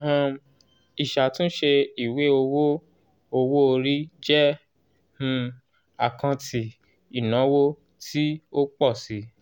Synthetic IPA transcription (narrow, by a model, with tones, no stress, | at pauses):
ã˨ | i˨ʃa˨tũ˦ʃe˧i˨we˨˦o˧wo˦ | o˧wo˦o˧ɾi˦d͡ʒɛ˦ | hũ˧ | a̰˦˨kã˧tʰi˨ | i˨nã˨˦wo˦ | tʰi˦o˦k͡pɔ˦˨si˨˦